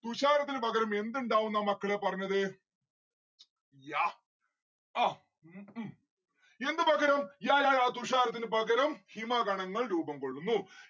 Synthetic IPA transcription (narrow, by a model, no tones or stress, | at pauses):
t̪uɕaːɾɐt̪ːinɨpɐɡɐɾɐme̞nd̪uɳɖaːʋunːɐmɐkːɐɭeːpɐrɐɲːɐðɨ | jaː | aː | e̞nd̪ɨbɐɡɐɾɐmjaːlaːjaːt̪uɕaːɾɐt̪̬ːinɨpɐɡɐɾɐmhimaːɡɐɳɐŋːɐɭɾuːbɐmkoɭːunːu